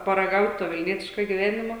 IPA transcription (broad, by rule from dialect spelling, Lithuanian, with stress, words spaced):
pɐrɐˈɡɐʊtʲ toː ʋʲɪlʲˈnʲiɛtʲɪʃkoː ɡʲɪˈʋʲæːnʲɪmoː